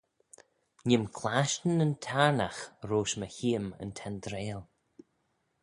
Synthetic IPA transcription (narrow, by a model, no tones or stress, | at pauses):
ɲɪmkʰlaʃtənəntʰaɹnaxɾoːʃməçiːəmə̰nt̪ʰɛnd̪ɾeːlˠ